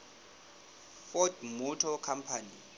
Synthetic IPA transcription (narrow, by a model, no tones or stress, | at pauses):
fɔtmutʰɔkʰampʰani